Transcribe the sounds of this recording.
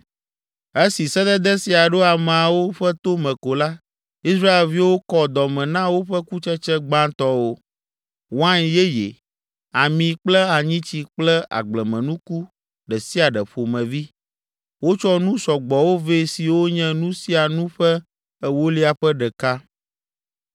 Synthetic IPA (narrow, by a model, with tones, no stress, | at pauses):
e˦si˨sɛ˦d̪ɛ˦d̪ɛ˦si˨a˨ɖo˦a˨m˨a˨wo˦ɸɛ˦t̪o˦mɛ̃˨ko˨la˦ | i˦sɾa˦e˨lvi˦wo˦kɔ˦d̪ɔ˨mɛ̃˨nã˦wo˦ɸɛ˦ku˦t͡ʃɛ˦t͡ʃɛ˦ɡ͡bã˦t̪ɔ˦wo˦ | wã˦ɲjɛ˦jḛ˨ | a˨mĩ˨k͡plɛ˦a˨ɲĩ˦t͡ɕi˨k͡plɛ˦a̰˨ɡ͡blɛ˨mɛ̃˨nũ˦ku˦ | ɖɛ˨si˦a˨ɖɛ˨ɸo˨mɛ̃˨vi˦ | wo˦t͡ʃɔ˦nũ˦sɔ˨ɡ͡bɔ˨wo˦ve˦si˨wo˦ɲɛ̃˦nũ˦si˦a˨nũ˦ɸɛ˦ | ɛ˦wo˦li˦a˨ɸɛ˦ɖɛ˨ka˦